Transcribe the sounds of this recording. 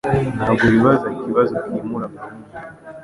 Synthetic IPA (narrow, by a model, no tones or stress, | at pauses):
naːβɡoβiβazaikiβazokiːmuɾama